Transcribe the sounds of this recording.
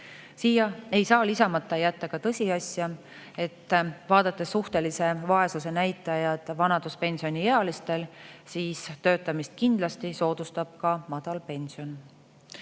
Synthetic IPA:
siːjɑe̞jsɑːlisɑmɑt̪ːˑɑjæt̪ːˑɑkɑt̪ɤsʲiɑsʲjɑ | e̞t̪ːˑvɑːd̪̥ɑt̪ːˑesːuht̪e̞lise̞vɑe̞suse̞næjt̪ːˑɑjɑd̪̥vɑnɑd̪̥uspe̞nʲsio̞nʲijeɑlist̪e̞lsiːst̪ø̞ːt̪ːˑɑmist̪̚kind̪̥lɑst̪iso̞ːd̪̥ust̪ɑb̥̚kɑmɑd̪̥ɑlpe̞nʲsio̞n

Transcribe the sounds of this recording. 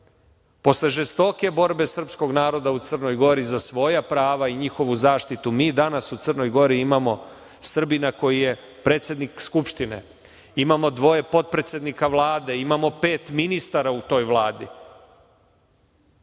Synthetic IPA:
po̞sle̞ʒest̪o̞ke̞bo̞ɾbe̞sr̩psko̞ɡnaːɾo̞d̪aut̪sər̩no̞jɡo̞ɾizasʋo̞japɾaːʋaiɲixo̞ʋuzaːʃt̪it̪umiːd̪anasut̪sərno̞jɡo̞ɾiimamo̞ | sr̩binako̞jije̞ | pɾe̞ːt̪sʲjed̪nikskupʃt̪ine̞̰ | imamo̞d̪ʋo̞je̞po̞t̪̚pɾe̞t̪sjed̪nikaʋlˠaːd̪e̞imamo̞pe̞ːt̪minist̪aɾaut̪o̞ːjʋlaːd̪i

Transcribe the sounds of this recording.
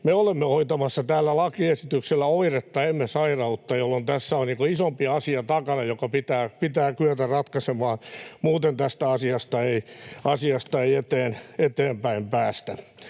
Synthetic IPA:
meolemːeoit̪ɑmɑsːɑt̪æːlːælɑkiesit̪ykselːæoiret̪ːɑemːesɑirɑut̪ːɑjolːont̪æsːæonniːŋkoisompiɑsiɑt̪ɑkɑnɑjokɑpit̪æːpit̪æːkyœt̪ærɑt̪kɑsemɑːnmuːt̪ent̪æst̪æɑsiɑst̪ɑeiɑsiɑst̪ɑeiet̪eːnet̪eːmpæimpæːst̪æ

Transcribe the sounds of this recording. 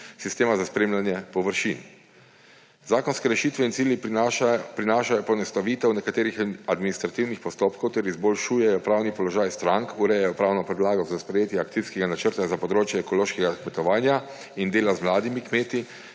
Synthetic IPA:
sist̪eːmazaspɾeːmlʲjanjɛpɔʋəɾʃin | zaːkɔnskɛɾɛʃiːt̪ʋɛint̪siːlji | pɾinaːʃajɔpɔnɛst̪aʋit̪ɛwnɛkat̪eːɾixad̪minist̪ɾat̪iwnixpɔst̪oːpkɔwt̪ɛɾizbɔlʃuːjɛjɔpɾaːwnipɔlɔʒaːjst̪ɾaŋkuɾɛjɛjɔpɾaːwnɔpɛd̪laːɡɔzaspɾɛjeːt̪jɛaːkt̪siskɛɡanat͡ʃəɾt̪azapɔd̪ɾoːt͡ʃjɛːkɔloːʃkɛɡakmɛt̪ɔʋaːnja | ind̪eːlazmlaːd̪imikmeːt̪i

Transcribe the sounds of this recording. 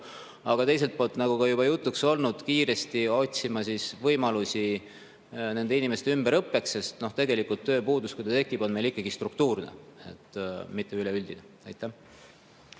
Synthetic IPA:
ɑɡ̥ɑt̪e̞js̬e̞lt̪̚po̞ːlt̪ˑnɑɡ̥ukɑjubɑjut̪ːˑukso̞lnud̪̥kiːɾe̞st̪io̞t̪ʲsimɑsisvɤjmɑlusi | ne̞nd̪einime̞st̪eymb̥eɾɤpːe̞ksːe̞st̪no̞ht̪e̞ɡe̞likːˑult̪ːø̞ːpuːd̪uskujd̪ɑt̪ekːˑib̥o̞nme̞jlikːˑɑɡist̪rukt̪uːrnḛḛt̪ːmit̪ːˑe̞yleyld̪̥ine | ḛjt̪ːˑæh

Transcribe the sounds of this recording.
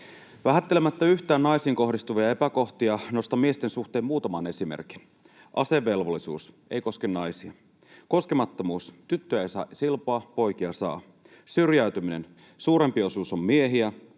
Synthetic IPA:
ʋæɦæt̪ːe̞lemæt̪ːæyçt̪æːnnɑjsiːŋko̞ɦdist̪uʋiɑe̞pæko̞ht̪iɑno̞st̪ɑmie̞st̪e̞nsuxt̪eːmuːt̪ɑmɑne̞simḛrk̟i̥n | ʔɑse̞ʋːe̞lʋolːisṵːs | e̞̰jko̞skennɑjsiɑ | ko̞skemɑt̪ːo̞muːst̪yt̪ːøejsɑ̰ːsilpoɑpo̞jk̟iɑsɑ̰ː | syrjæyt̪ymine̞̰n | suːɾe̞mpio̞suso̞mmie̞ɦiæ

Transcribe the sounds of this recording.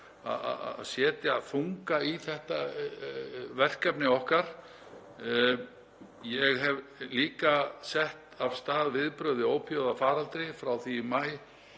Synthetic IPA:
a̰ða̰a̰sjɛːt̪jaaðθuŋkaiθɛht̪a | vɛr̥kɛpnɪɔhkaɾ̥ | jɛɣɦɛvliːkasɛht̪av̥st̪aːðvɪðpɾœðɪoːwpʰjowðafaːɾalt̪ɾɪfɾawθimaːj

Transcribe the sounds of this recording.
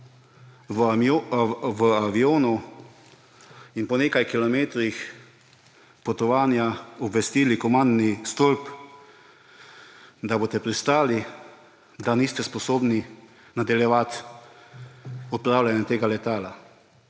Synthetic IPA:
ʋəaʋioːnu | inpɔneːkajkilɔmeːt̪ɾix | pɔt̪ɔʋaːnjaɔbʋɛst̪iːlikɔmãnd̪nist̪olp | d̪aboːt̪ɛpɾist̪aːli | d̪aniːst̪ɛspɔsoːbni | nad̪ɛljɛʋat̪ | ɔt̪̚pɾaːwlʲanjɛt̪eːɡalɛt̪aːla

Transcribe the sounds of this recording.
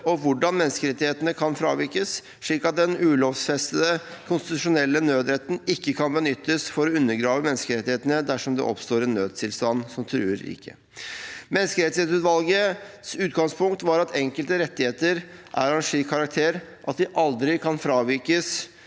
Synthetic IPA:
ɔʋʊɖɑnmɛnskəɾɛt̪ːɪheːt̪ənəkʰɑnfɾɑ̰ːʋɪɾkəs | ʂɭiːkɑt̪̚d̪ɛnʉːloːfsfɛst̪əd̪əkʰʊnst̪ɪt̪ʉʂʊnɛlːənøːd̪ɾɛt̪ːənɪkːəkʰɑnbənʏt̪ːəsfɔɾɔʉnːəɾɡɾɑːʋəmɛnːəskəɾɛt̪ːɪheːt̪ənəd̪æʂɔmd̪ɛ̰ʔɔ̰pst̪oːɾɛnːøːd̪̚t̪ʰɪlst̪ɑnsɔmt̪ʰɾʉ̰ːəɾɪ̰kʰːə̰ | mɛnskəɾɛt̪seːt̪ʉt̪ʋɑlɡəsʉːt̪ɡɑŋspʰʊŋkt̪ʋɑɾɑt̪ʰɛŋkəlt̪əɾɛt̪ːɪheːt̪əɾʔæ̰ɾɛnʂiːkʰːɑɾɑk̚t̪ʰeːɾʔɑt̪d̪ɪʔɑld̪ɾɪkʰɑnfɾɑːʋɪɾkəs

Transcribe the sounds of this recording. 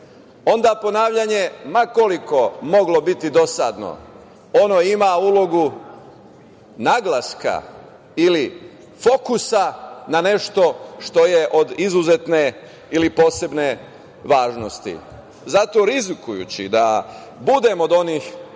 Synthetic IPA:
o̞nd̪apo̞naːʋʎaɲe̞mako̞liko̞mo̞ɡlo̞bit̪id̪o̞sad̪no̰ | onoimauːlˠo̞ɡu | naɡlaska̰ | ili | fo̞kusanane̞ʃt̪o̞ʃt̪o̞je̞ʔo̞d̪izuzet̪ne̞ | ilipo̞ːse̞bne̞ | ʋaːʒno̞st̪ḭ | zat̪o̞ɾizikujṵt͡ɕḭd̪a | bud̪e̞mo̞d̪o̞niːx

